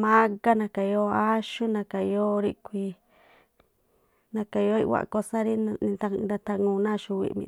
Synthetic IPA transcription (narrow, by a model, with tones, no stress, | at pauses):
mã˦ka˦nã˧ka˨˧o˧a˦ʃu˦nã˧ka˨˧jo˧ɾi˧kʷi˧ | nã˧ka˧˨˧o˧˦ḭ˦˧wʷa̰˧˨ko˧sã˦ɾi˦n˧nĩ˧t̪a˧ɾa˧t̪a˧ŋũː˧˨˧nã˦˨ʃu˧wḭ˧ʔmḭ̃˧